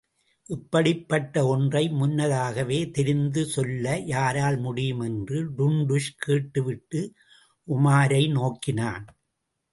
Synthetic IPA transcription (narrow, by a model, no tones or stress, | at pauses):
ʔɪpːɐɽɪpːɐʈːɐɔndrɐɪmʊnːɐðaːɣɐʋeːt̪ɛɾɪnd̪ɯsɔlːɐjaːɾaːlmʊɽɪjɯmɛndrɯɖʊɳɖʊʂkʰeːʈːɯʋɪʈːɯ | ʔʊmaːɾɐɪnoːkːɪna̰ːn